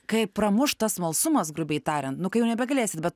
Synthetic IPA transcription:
kɐɪpɾɐmʊʃt̪ɐsmɐlˠsʊmɐsɡɾʊbʲɛɪt̪ɑːɾʲɛnt̪nʊkɐɪjɛʊnʲɛbʲɛɡɐlʲeːsʲɪt̪bʲɛt̪

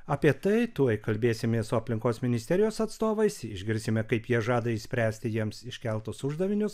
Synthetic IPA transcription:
ɐːpʲiɛt̪ɐɪt̪uɔjkɐlʲbʲeːsʲɪmʲeɛsʊɐpʲlʲɪŋkoːsmʲɪnʲɪsʲt̪ʲɛɾʲɪjoːsɐt̪st̪oːʋɐɪsɪʒʲɡʲɪɾʲsʲɪmʲɛkɐɪpjiɛʒɑːd̪ɐɪsʲpʲɾʲæːsʲt̪ʲɪjiɛmsɪʃʲkʲɛlˠt̪ʊsʊʒd̪ɐʋʲɪnʲʊs

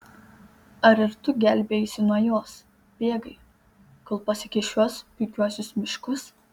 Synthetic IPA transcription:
ɐɾɪɾt̪ʊɡʲælʲbʲeːjɪsʲɪnuɔjoːs | bʲeːɡɐɪ | kolˠpɐsʲɪkʲɪʃʲuɔspʊɪkʲuɔsʲʊsmʲɪʃkʊs

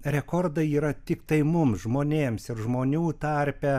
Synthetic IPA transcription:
ɾʲɛkoɾd̪ɐiːɾɐt̪ʲɪkt̪ɐɪmʊmsʒmoːnʲeːmsɪɾʒmoːnʲuːt̪ɐɾʲpʲɛ

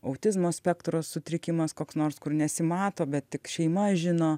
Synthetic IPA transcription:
ɐʊt̪ʲɪzmoːsʲpʲɛkt̪ɾoːssʊt̪ʲɾʲɪkʲɪmɐskoːksnoːrskʊrnʲɛsʲɪmɑːt̪oːbʲɛt̪tʲɪkʃʲɛɪmɐʒʲɪnoː

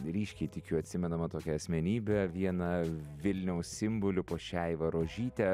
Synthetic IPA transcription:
ɾʲiːʃʲkʲɛɪt̪ʲɪkʲʊɐt̪ʲsʲɪmʲɛnɐmɐt̪oːkʲɛɐsʲmʲɛnʲiːbʲɛʋʲiɛnɐʋʲɪlʲnʲɛʊssʲɪmbʊlʲʊpoːʃʲɛɪʋɐɾoːʒʲiːt̪ʲɛ

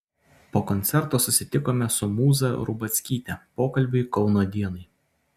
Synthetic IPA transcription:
poːkɔnʲt̪sʲɛɾt̪oːsʊsʲɪt̪ʲɪkoːmʲɛsʊmuːzɐɾʊbɐt̪sʲkʲiːt̪ʲɛpoːkɐlʲbʲʊɪkɒʊnoːd̪ʲiɛnɐɪ

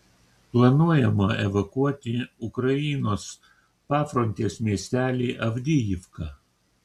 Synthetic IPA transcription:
plˠɐnuɔjɛmɐɛʋɐkuɔt̪ʲɪʊkɾɐiːnoːs | pɑːfɾonʲt̪ʲeːsmʲiɛsʲt̪ʲæːlʲeːʔɐʋʲd̪ʲɪjɪfkɑ

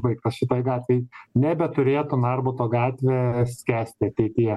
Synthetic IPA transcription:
bɐɪkt̪ɐsʃʲɪt̪oːjɡɑːt̪ʲʋʲɛjnʲɛbʲɛt̪ʊɾʲeːt̪ʊnɑrbʊt̪oːɡɑːt̪ʲʋʲeːsʲkʲæːsʲt̪ʲɪɐt̪ʲɛɪt̪ʲɪjɛ

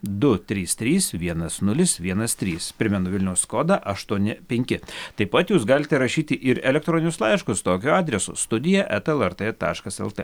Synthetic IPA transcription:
d̪ʊt̪ʲɾʲiːst̪ʲɾʲiːsʋʲiɛnɐsnʊlʲɪsʋʲiɛnɐst̪ʲɾʲiːspʲɾʲɪmʲɛnʊʋʲɪlʲnʲɛʊsskoːd̪ɑʔɐʃt̪uɔnʲɪpʲɛŋʲkʲɪt̪ɐɪpɐt̪juːs̬ɡɑːlʲɪt̪ʲɛɾɐʃʲiːt̪ʲɪʔɪɾɛlʲɛkt̪ɾoːnʲɪnʲʊslˠɐɪʃkʊst̪oːkʲʊɑːd̪ʲɾʲɛsʊ̰st̪ʊd̪ʲɪjɛʔɛt̪ɛlˠɛɾt̪et̪ɑ̰ːʃkɐsɛ̰lˠt̪ḛ

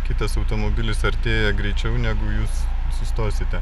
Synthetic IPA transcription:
kʲɪt̪ɐsɐʊt̪oːmoːbʲɪlʲɪsɐɾʲt̪ʲeːjɛɡɾʲɛɪt͡ʃʲɛʊnʲæɡʊjuːsː | ʊst̪oːsʲɪt̪ʲɛ

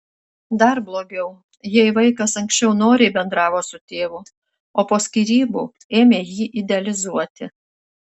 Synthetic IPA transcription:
d̪ɐɾblˠoːɡʲɛʊ | jɛɪʋɐɪkɐsɐŋksʲt͡ʃʲɛʊnoːɾʲeːbʲɛnd̪ɾɑːʋoːsʊt̪ʲeːʋʊ | oːpoːsʲkʲiɾʲiːbuː | eːmʲeːjiːʔɪd̪ʲɛɐlʲɪzuɔt̪ʲɪ

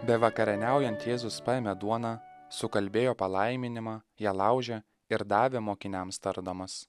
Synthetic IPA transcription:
bʲɛʋɐkɐɾʲɛnʲæˑʊjɛnʲt̪jeːzʊspɑemʲɛd̪uɔnɑsʊkɐlʲbʲeːjoːpɐlˠɐɪmʲɪnʲɪmɑːjɛːlˠɑˑʊʒʲɛ | ɪɾd̪ɑːʋʲɛmoːkʲɪnʲɛmst̪ɐɾd̪oːmɐs

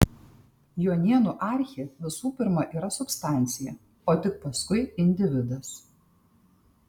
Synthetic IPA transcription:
joːnʲiɛnuʔɑˑɾʲxʲeʋʲɪsuːpʲɪɾmɐʔiːɾɐsʊpst̪ɑˑnʲt̪sʲɪjɛ | oːt̪ʲɪk̚pɐskʊɪɪnʲd̪ʲɪʋʲɪd̪ɐs

